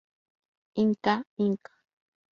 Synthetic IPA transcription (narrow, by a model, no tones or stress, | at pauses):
iŋkaiŋkḁ